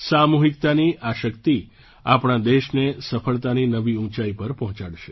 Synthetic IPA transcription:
samuɦikt̪aniʔaʃəkt̪i | apɳ̃ãd̪eʃnesəfəɭt̪aninəʋiũt͡ʃaipəɾpɔɦɔ̃t͡ʃaɽʃe

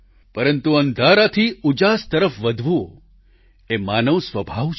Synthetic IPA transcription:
pəɾənt̪uənd̪ʱaɾat̪ʰiud͡ʒast̪əɾəfʋəd̪ʱʋo | emanəʋsʋəbʱaʋt͡ʃ

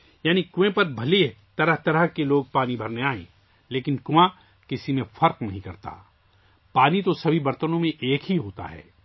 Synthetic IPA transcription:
jaːnikʊẽpɐɾbʱɐle | t̪ɐɾəɦt̪ɐɾəɦkeloːɡ̚paːnibʱɐɾneaːḛ̃ː | leːkɪnkʊã | kɪsimẽfɐɾqnɐɦĩkɐɾt̪a̰ː | paːnit̪osɐbʱibɐɾt̪ənõmẽʔeːkɦiɦoːt̪a̰ɦɛ̰ː

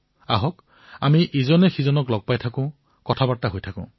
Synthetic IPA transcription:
a̰ɦɔk | amiʔizɔnɛxizɔnɔklɔɡ̚pajtʰakʊ̃ | kɔtʰabataɦojtʰakʊ̰̃

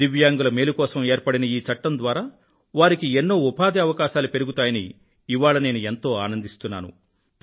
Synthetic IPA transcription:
d̪iʋjaːŋɡulɐmeːlukɔːsɐme̞ːɾpɐɽinɐiːt͡ʃɐʈːɐnd̪ʋaːɾaː | ʋaːɾikienːo̞ːupaːd̪iɐʋɐkaːʃaːlupe̞ɾuɡut̪aːjɐniː | ʋaːɭɐne̞ːnue̞nt̪o̞ːaːnɐnd̪ist̪unːa̰ːnṵ

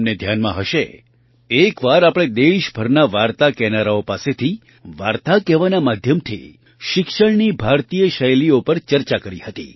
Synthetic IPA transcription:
mned̪ʱjanmã̰ɦəʃe | ekʋaɾapɽ̃ed̪eʃbʱəɾnaʋaɾt̪akɛnaɾaopaset̪ʰi | ʋaɾt̪akɛʋanamad̪ʱjəmt̪ʰḭ | ʃɪkʃəɳnibʱaɾt̪ijəʃəjliopəɾt͡ʃəɾt͡ʃakəɾihət̪ḭ

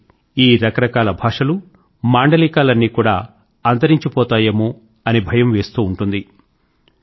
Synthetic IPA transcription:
iːɾɐkɐɾɐkaːlɐbʱaːʂɐlu | maːɳɖɐlikaːlɐnːiːkuːɽaː | ɐnd̪ɐɾiɲt͡ʃipɔːt̪aːjɐmu | ɐnibʱɐjɐmʋe̞ːst̪uːɳʈund̪i

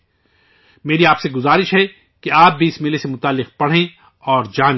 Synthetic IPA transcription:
meːɾiaːpseɡʊzaːɾɪʃɦɛ | keaːp̚bʱiɪsmelesemʊt̪aːlːɪq̚pɐɽ̤ẽ | ɔːɾd͡ʒaːn

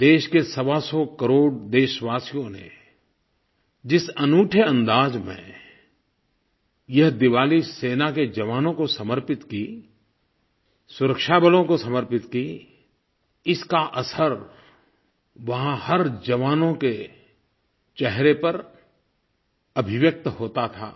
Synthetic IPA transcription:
d̪eːʃkesɐʋasɔkəɾoːɽd̪eːʃʋaːsijõnḛ | d͡ʒɪsɐnuːʈʰəɐ̃nd̪aːd͡ʒmḛ̃ | jɐɦd̪ɪʋaːliseːnaked͡ʒɐʋaːnõkosɐməɾpɪt̪ki | sʊɾəkʃaːbəlõkosɐməɾpɪt̪ki | ɪskaʔɐsəɾ | ʋɐɦãhɐɾd͡ʒɐʋaːnõke | t͡ʃɛɦɾepɐɾ | ɐbʱɪʋjək̚t̪ɦoːt̪at̪ʰa̰ː

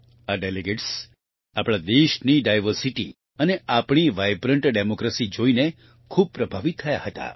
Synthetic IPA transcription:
aɖeleɡeʈs | apɭad̪eʃniɖajʋəɾsiʈḭ | əneapɳ̃iʋajbɾəɳʈɖemokɾəsid͡ʒoine | kʰub̚pɾəbʱaʋit̪ʰːəjahət̪a̰

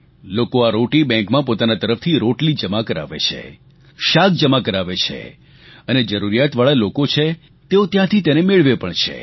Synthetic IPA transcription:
lokoaɾoʈibɛ̃ŋkmãpot̪anat̪əɾəft̪ʰiɾoʈlid͡ʒəmakəɾa̰ʋḛt͡ʃʰḛ | ʃak̚d͡ʒəmakəɾaʋet͡ʃʰḛ | əned͡ʒəɾuɾijat̪ʋaɭalokot͡ʃʰe | t̪eot̪jãt̪ʰit̪enemeɭʋepəɳt͡ʃʰḛ

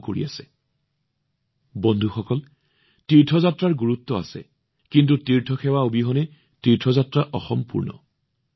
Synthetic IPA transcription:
koɹiasɛ̥ | bɔndʱuxɔkɔl | tiɹtʰɔzatɹaɹɡuɹutːɔa̰sɛ̰ | kintutiɹtʰɔxɛwaubiɦɔnɛ | tiɹtʰɔzatɹaʔɔxɔmpṵɹnɔ̰

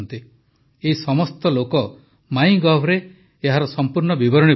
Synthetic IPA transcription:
nt̪i | eɦisɔmɔst̪ɔlokɔ | maj̃ɡɔbʱɾeː | ɦaɾɔsɔmpuɾɳɔbibɔɾɔɽ̃i

